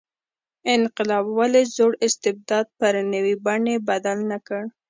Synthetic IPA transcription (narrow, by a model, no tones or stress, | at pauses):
ɪnqɪlɑbwalezoɽɪst̪ɪb̚d̪ɑd̪̚pəɾnəwibaɳebad̪alnakəɽ